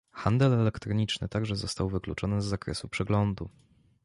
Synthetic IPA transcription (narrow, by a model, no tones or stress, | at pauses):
xand̪ɛlɛlɛkt̪ɾɔɲit͡ʂnɘt̪aɡʐɛzɔst̪awvɘklut͡ʂɔnɘzːakɾɛ̰supʂɛɡlɔnd̪u